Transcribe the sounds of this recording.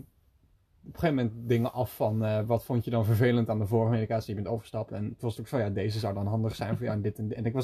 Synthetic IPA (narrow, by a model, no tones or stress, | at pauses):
ɔpə̥χejvməmɛnt̚dɪŋəʔɑfːɑnəʋɑtfontjədɑnvəɹvejləntaːndəvʊːɹχəmedikaːtsijbɛntowvəɹstɑpɛntʋɑstokfɔnjaːdejzəzʌwdɑnɦɑndəχsɛjnvʊɹja̰wɛndɪtnɛnɪkʋɑ